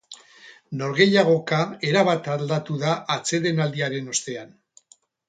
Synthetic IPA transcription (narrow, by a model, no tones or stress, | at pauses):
no̞ɾɣe̞jaɣ̞o̞kae̞ɾaβ̞at̪ald̪at̪uðaʔːt͡se̞ðe̞nald̪iaɾe̞no̞st̪e̞an